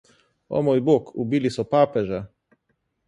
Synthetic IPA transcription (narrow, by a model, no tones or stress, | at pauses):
ɔ̰mojbokubilisɔpaːpɛʒɛ